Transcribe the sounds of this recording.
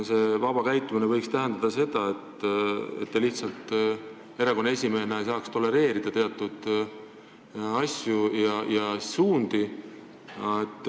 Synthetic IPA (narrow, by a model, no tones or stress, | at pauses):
se̞ːvɑbɑkæjt̪ːˑuminevɤ̞jkst̪æɦend̪ɑd̪̥ɑse̞d̪̥ɑe̞t̪ːe̞t̪ːeliht̪sɑlt̪ˑ | e̞ɾɑko̞nːe̞sʲimeːeneejsɑːkst̪o̞le̞ɾe̞ːɾid̪̥ɑt̪e̞ɑt̪ːˑud̪̥ | ɑsʲjujɑjɑsuːnd̪̥i | et̪ːˑ